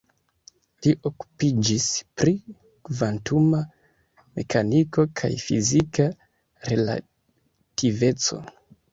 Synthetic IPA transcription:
liʔo̞ku̥pid͡ʒispɾi | kvantuma | me̞kʰaniko̞kʰa̰jfḭzika | ɾe̞la̰ | tive̞t͡so̞̰

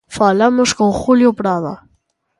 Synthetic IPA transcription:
falamʊskõŋχuljʊpɾaðɐ̰

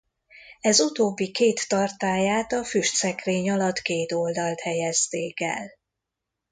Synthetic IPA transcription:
ɛzut̪oːbːikeːt̪ːɒrt̪aːjaːt̪ɒfyʃt̪sɛkreːɲɒlɒt̪keːt̪o̞ld̪ɒlt̪hɛjɛzt̪eːkɛ̰l

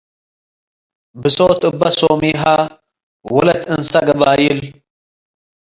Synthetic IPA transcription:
bɨsoːt̪ʼɨbːɐsoːmiɦa | wɐlɐt̪ʰɨnsɐɡɐbaːjɪl

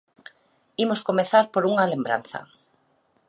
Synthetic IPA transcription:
imoskomeθaɾpoɾuŋalembɾa̰nθa̰

